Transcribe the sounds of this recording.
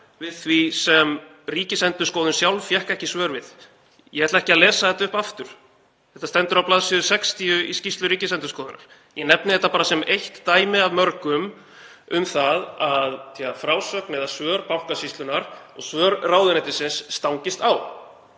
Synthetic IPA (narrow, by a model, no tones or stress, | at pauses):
vɪðθvisɛm | riːcɪsɛnt̪ʏskɔːwðʏnsjawlfjɛhkɛhcɪsvœːɾvɪð | jɛhɛɾt̪aɛhcɪaðlɛːsaθɛht̪aʏhpaft̪ʏɾ̥ | θɛht̪ːast̪ɛnt̪ʏɾawplaːðsɪðʏsɛkst̪iʏiscist̪lʏɾiːcɪsɛnt̪ʏskɔːðʏna̰ɾ̥ | jɛnɛpnɪθɛht̪ːapaːɾasɛmejht̪ːaːjmɪavmœɾkʏm | ʏmθaðaðiafɾaːwsœknɪðasvœːɾpawhkasist̪lʏnaɾɔɣsvœːɾrawðʏnɛt̪ɪsɪnsːt̪awŋcɪst̪aːw